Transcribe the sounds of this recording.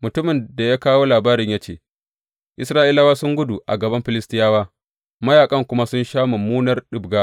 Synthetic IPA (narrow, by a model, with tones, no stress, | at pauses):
mʊ˨tʊ˦mɪ˨nda˨jaː˦kaː˦woː˦laː˨baː˦ɾɪ˦ɲjaː˦t͡ʃeː˦˨ | ʔɪ˦sɾaː˦ʔɪ˦la˦waː˦sʊ˦ŋɡʷʊ˦du˨ʔa˨ɡɐ˨bɐ˦mɸɪ˨lɪ˦stɪ˦jaː˦waː˦ | mɐ˦jaː˨kʼɐ˦ŋkʷʊ˦ma˦sʊ˦nʃaː˦ma˨muː˦nɐ˦rɗɪ˨bɡaː˦